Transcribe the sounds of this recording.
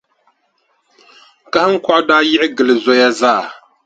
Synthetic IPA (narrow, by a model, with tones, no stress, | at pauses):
ka˦hɨ˦ŋ̩˦kʷɔ˦ʔʊ˦daː˦jɪ˦ʔɪ˦ɡɨ˨lɨ˨zo˦ja˦zaː˦˨